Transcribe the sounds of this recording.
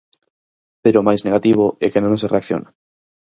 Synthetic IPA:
peɾomajzneɣat̪iβ̞oɛkenõŋs̬ereakθjo̰na

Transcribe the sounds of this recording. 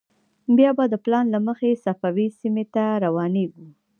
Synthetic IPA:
bjɑbad̪əplɑnlaməxesafawisimet̪aɾawɑneɡu

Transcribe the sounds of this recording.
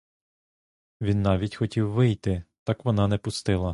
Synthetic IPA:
ʋʲinːɑʋʲitʲxɔtʲiwːɪjt̪ɪt̪ɑkʋɔnɑnɛpʊst̪ɪlˠɐ

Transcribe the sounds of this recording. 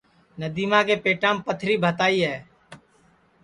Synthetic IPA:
nəd̪iːmãːkeːpeːʈãːmpət̪ʰɾiːbʱət̪aːiːɦɛː

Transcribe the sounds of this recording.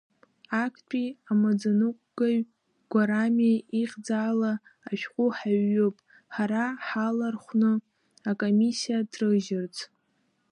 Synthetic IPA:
akʷʰpʼiamad͡zanɨkʷʼɡ̥aɥ | ɡ̥ʷaɾamaiχʲd͡zaːlaː | ʃᶣqʷʼʊħaɥːɨpʼ | ħaɾaħalarχʷnɨ | akʼomisijadrɨʒɪrt͡sʰʼ

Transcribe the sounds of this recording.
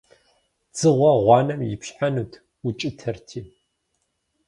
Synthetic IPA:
t͡sʼɨʁʷɐʁʷɑːnɐmjɪpʃħanuːtʰ | ut͡ʃʼɪtʰɐrtʰiː

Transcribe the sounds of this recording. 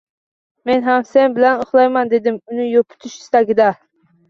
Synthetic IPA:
menɦɛmsɛnbɪlɛnoχlˠɑjmɑnd̪ed̪ɪmunɪjopʰʊ̥t̪ʰyʃi̥st̪ɑɡʲid̪ɑ

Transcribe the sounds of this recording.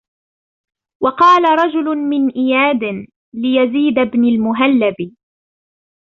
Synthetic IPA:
wɑqɑːlaɾˤɑd͡ʒʊlʊmɪnʔɪjaːd̪ɪn | lɪjaziːd̪abnalmʊɦalːabɪ

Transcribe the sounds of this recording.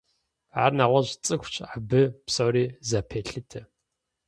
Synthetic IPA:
a̰ːrnaːʁʷɐʑt͡sʼɨxʷt͡ʃʰʼabɨpsoːɾiːzapʰeːɬɨtʰɨ

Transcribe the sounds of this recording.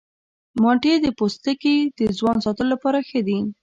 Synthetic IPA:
mɑɳʈed̪əpost̪əked̪̥əzwɑnsɑt̪əlolapɑɾaxəd̪i

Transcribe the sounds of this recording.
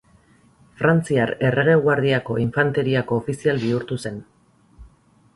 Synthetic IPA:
fɾant͡siaɾe̞re̞ɣ̞e̞ɣwaɾð̞iako̞iɱfant̪e̞ɾiako̞ːfisialbiuɾt̪use̞n

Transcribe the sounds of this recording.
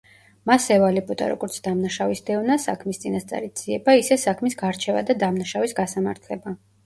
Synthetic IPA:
masɛvalibʼɔd̪a̰ɾɔ̰ɡɔɾt̪sʰd̪amnaʃavisd̪ɛvnasakʰmist̪sʼinast̪sʼa̰ɾid̪z̥iɛbaisɛsakʰmisɡaɾt͡ʃʰɛva̰d̪ad̪amnaʃavisɡasamaɾt̪ʰlɛba

